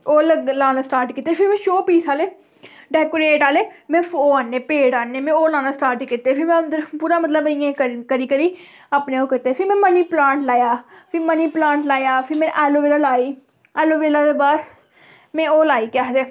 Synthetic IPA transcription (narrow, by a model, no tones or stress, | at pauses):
oːləlaːnaːsʈaːɾʈkiːt̪ːeːpʰɪɾmɛ̃ːʃoːpiːsaːleː | ɖɛːkoːɾeːʈaːleːmɛ̃ːfʰoːaːnːeːpeːɽaːnːeːmɛ̃ːoːlaːnaːsʈaːɾʈkit̪ːeːpʰɪɾmɛ̃ːəpuːɾaːmət̪̬ləbɪjẽːkəkəɾiːkəɾiː | aːpneːoːkɪt̪ːeːpʰɪɾmɛ̃ːməniːplãːɳʈlaːjaːpʰɪməniːplãːɳʈlaːjaːpʰɪɾmɛ̃ːʔɛːloːʋeːlaːlaːiː | ɛːloːʋeːlaːdeːbaːɾ | mɛ̃ːoːlaːiːkaːɦt̪eː